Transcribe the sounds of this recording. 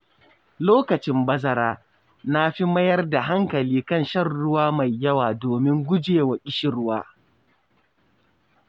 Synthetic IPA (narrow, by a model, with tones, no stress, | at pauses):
loː˦kɐ˨t͡ʃɪ˦mbɐ˦zɐ˦ɾaː˦ | na˦ɸi˦mɐ˦jɐ˦rda˨ɦa˦ŋkɐ˨liː˦kɐ˦˨nʃɐ˦˨rːʊ˦waː˦ma˨jːɐ˦waː˨doː˨mɪ˦ŋɡʷʊ˦d͡ʒeː˨wa˨kʲʼɪ˦ʃɪ˨ɾʊ˦waː˦